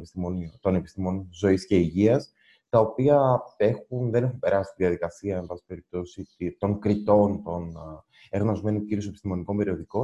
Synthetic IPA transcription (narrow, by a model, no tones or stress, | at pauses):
pisonit̪o̞ne̞pist̪imo̞nzo̞isce̞iʝiɐs | t̪ɐo̞piɐe̞xunðe̞ne̞xumpe̞ɾɐsi̥t̪iðiɐðikɐsiɐembɐsi̥pe̞ɾip̚t̪o̞sit̪t̪o̞ŋkɾit̪o̞nt̪o̞n | e̞ɾɣno̞zme̞nuciɾius̬e̞pi̥st̪imo̞niko̞mbe̞ɾio̞ðiko̞